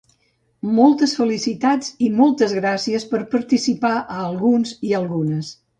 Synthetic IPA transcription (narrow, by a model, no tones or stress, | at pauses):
mɔlˠt̪əsfəlisit̪ad͡zimɔlˠt̪əzɣɾasiəspəɾpəɾt̪isipaʔəːlˠɣunziəlˠɣunəs